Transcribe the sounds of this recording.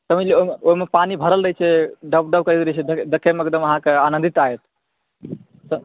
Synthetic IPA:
t̪əmileomeoɦimepanibʱəɾəlɾəɦɛt͡ʃʰɛɖəbɖəbkəɾit̪ɾət͡ʃʰɛd̪ed̪ekʰemeek̚d̪əməɦãkeanənd̪ʱit̪aet̪ | sə

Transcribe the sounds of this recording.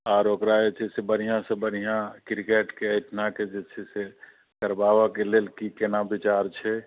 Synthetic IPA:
aːɾokɾaet͡ʃʰesebən̤ijãsẽbən̤ijãkɪɾkeːʈkeəɪʈ̪ʰnaked͡ʒet͡ʃʰese | kəɾbaːʋakeleːlkikenabɪt͡ʃaːɾt͡ʃʰɛ

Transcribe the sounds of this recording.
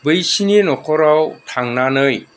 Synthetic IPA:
bɯjsinenɔkʰɔɾawtʰaŋnanɯj

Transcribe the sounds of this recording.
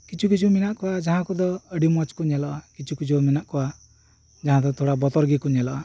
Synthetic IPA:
kit͡ʃʰukit͡ʃʰuminaʔkuad͡ʒaɦãkud̪ɔəɖimɔt͡ʃkunɛlɔʔakit͡ʃʰukit͡ʃʰuminaʔkua | d͡ʒaɦãd̪ɔt̪ʰoɽabɔt̪ɔɾɡikunɛlɔʔa

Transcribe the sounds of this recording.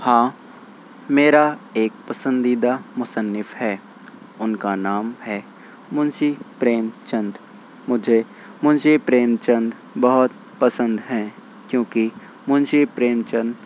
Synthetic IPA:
hãː | meːɾaeːk̚pəsə̃nd̪iːd̪amʊsənːɪfhɛː | ʊnkanaːmhɛː | mʊnʃipɾeːmt͡ʃə̃nd̪ | mʊd͡ʒʱe | mʊnd͡ʒʱepɾeːmt͡ʃə̃nd̪ | bɐɦʊt̪̚ | pəsə̃nd̪ɦɛ̃ː | kjõːki | mʊd͡ʒepɾeːmt͡ʃə̃nd̪

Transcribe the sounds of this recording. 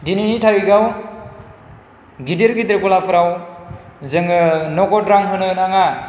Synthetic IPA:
dininitʰaɾiɡaw | ɡideɾɡidɾekɔlapʰɯɾaw | zɯŋɯnɔɡɔdɾaŋɦɯnɯnaŋa

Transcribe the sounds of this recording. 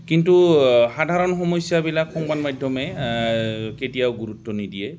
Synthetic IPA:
kintuxadʱaɹɔnxɔmɔjsjabilakxɔŋbanmajdʱjɔmɛ | ketijawɡuɹutːɔnidiɛ

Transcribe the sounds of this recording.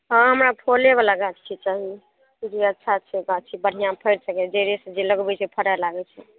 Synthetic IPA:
ɦãɦəmɾapʰolebalaɡatt͡ʃʰit͡ʃaɦi | d͡ʒiətːʃʰat͡ʃʰɛɡat͡ʃʰibəɽ̤ijãpʰəjɾsəkɛd͡ʒeɾesẽd͡ʒeləɡbɛt͡ʃʰɛpʰəɾalaɡɛt͡ʃʰɛ

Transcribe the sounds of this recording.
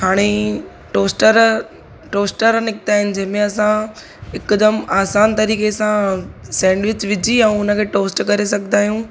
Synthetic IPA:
haːɽ̃e | ʈoːsʈəɾ | ʈoːsʈəɾnɪkɪt̪aːɦɪnɪ̆d͡ʑɐ̃ɦɪ̃mẽɐsã | ɪkd̪əmaːsaːnt̪ɐɾiːkesãsɛ̃ːɳɖʋɪt͡ɕʋɪd͡ʑʱiɛ̃ʊnə̆kʰeːʈoːsʈkɐɾes̬ɐɡʱnaːɦijũː

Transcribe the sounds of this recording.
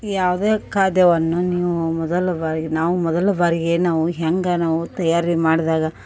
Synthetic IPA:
jaːʋd̪eːkaːd̪jɐʋɐnːuniːʋumɔd̪ɐlɐʋaːɾiɡenaːʋumɔd̪ɐlɐʋaːɾiɡenaːʋuɦɐŋɡɐnaːʋut̪ɐjaːɾimaːɽid̪aːɡɐ

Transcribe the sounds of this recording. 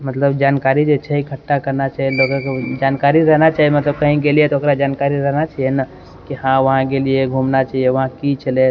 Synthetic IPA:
mət̪ləbd͡ʒankaɾid͡ʒet͡ʃʰɛikʰəʈːakəɾnat͡ʃaɦielokəked͡ʒankaɾiɾəɦnat͡ʃaɦijemət̪ləb̚kəɦĩɡeliet̪ɔokɾad͡ʒankaɾiɾəɦnat͡ʃaɦijena | kihãʋəɦãkelieɡʱumnat͡ʃaɦijeʋəɦãkit͡ʃʰəle

